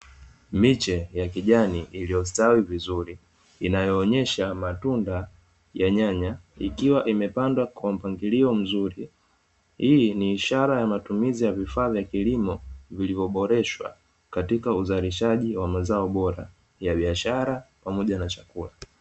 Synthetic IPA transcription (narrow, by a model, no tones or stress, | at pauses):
mit͡ʃɛjakiʄaniʔilijɔstawivizuɾiː | najɔːɲɛʃamatunda | jaɲaɲaḭkiwaʔimɛpandwakwam̩paŋɡiliɔm̩zuɾi | hiːniːʃaɾajamatumizijavifaːvjakilimɔvilivɔɓɔɾɛʃwa̰ | katikauzaliʃaʄiwamazaɔɓɔɾa̰ | jaɓiaʃaɾapamɔʄanat͡ʃakula